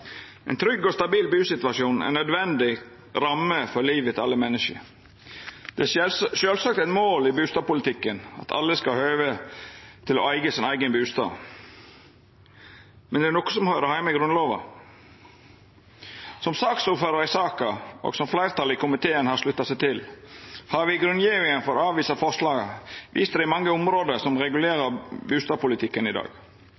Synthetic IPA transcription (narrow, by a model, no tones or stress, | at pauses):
ʔɛ̰ɪnt̪ʰɾʏɡːɔst̪ɑbiːlbʉːsɪt̪ʋɑʃjuːnɛ̰nœd̪ʋɛnd̪ɪ | ɾɑmːəfɔɾliːʋət̪ʰɪɑlːəmɛnːɪʂə̰ | d̪̥ɛʃøːlsɑkt̪æɪt̪moːlɪbʉːst̪ɑːb̚pʊlɪt̪ʰɪkːənɑ̰t̪ʰɑ̰lːəskɑhøːʋə | t̪ʰɪlo̰ːæɪɡəsɪnæɪɡənbʉːst̪ɑ̰ːʋ | mɛnd̪ɛæɾnɔkːə̥sɔmhøɾəhæɪməɡɾʉnloːʋɑ̰ | sɔmsɑːksuːɾføːd̪əɾɪsɑːkɑo̰ːɡsɔmflæɪʁt̪ʰɑlɪkʊmɪt̪ʰeːənhɑʂlʉt̪ːɑsæɪt̪ʰɪlhɑɾʋɪɡɾʉnjiːʋɪŋənfɔɾɑːʋiːsɑfɔʁʂlɑːɡəʋʔḭːst̪əd̪ɛɪmɑŋːəʊmɾoːd̪əɾsɔmɾɛɡʉleːɾəɾbʉːst̪ɑːpʊlɪt̪ʰɪkːənɪd̪ɑ̰ːɡ